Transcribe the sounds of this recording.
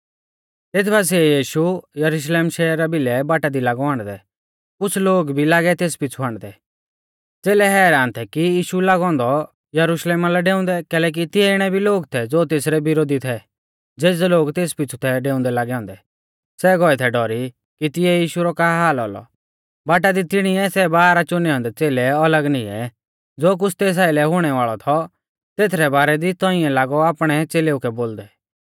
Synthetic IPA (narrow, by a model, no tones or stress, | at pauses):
t̪eːt̪ʰbaːs̬ɛjiːʃujɐɾʊʃ̬leːmʃɛːɾːabɪlɛbaːʈad̪ilaːɡɔãːɽ̃d̪ɛ | kʊt͡sʰloːɡbʱilaːɡɛt̪eːspɪt͡sʰuaːɽ̃d̪ɛ | t͡seːlɛɦɛːɾaːnt̪ʰɛkijiːʃulaːɡɔ̃ːnd̪ɔ | jɐɾʊʃleːmalɛɖeːʊ̃nd̪ɛkɛːlɛːk̬it̪ɪjɛɪɽ̃ɛbʱiloːɡt̪ʰɛd͡zoːt̪eːs̬ɾɛbɪɾoːd̪it̪ʰɛ | d͡zeːd͡zloːɡt̪eːspɪt͡ʃʰu̥t̪ʰɛɖeːʊ̃nd̪ɛlaːɡɛɔ̃ːnd̪ɛ | sɛːɡɔɛt̪ʰɛɖɔɾi | kit̪ɪjɛjiːʃuɾɔkaɦaːlɔ̰ːlɔ̰ | baːʈ̬ad̪it̪ɪɽ̃ɪɛsɛbaːɾat͡ʃʊnɛɔ̃ːnd̪ɛt͡seːlɛɐləɡnɪɛ̰ | d͡zoːk̬ʊt͡sʰt̪eːs̬aːɪlɛɦʊɽ̃ɛʋaːɭɔt̪ʰɔ | t̪eːt̪ʰɾɛbaːɾɛd̪it̪ɔɪɛ̃laːɡɔaːpɽ̃ɛt͡seːleːukɛboːld̪ɛ